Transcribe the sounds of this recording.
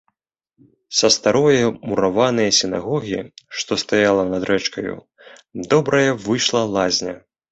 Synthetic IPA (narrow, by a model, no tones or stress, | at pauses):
sɐst̪aɾɔjɐmuɾavanɨjɐsʲina̰ɣɔɣʲiʂt̪ɔst̪ajalˠɐnɐd̪ɾɛt͡ʂkɐjṵ | d̪ɔbɾɐjɐvɨʂlˠɐlˠazʲnʲɐ